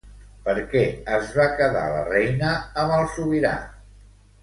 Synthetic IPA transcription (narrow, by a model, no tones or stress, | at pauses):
pəɾkɛəzβakəða̰lə̰rɛjnəːməlˠsuβiɾa̰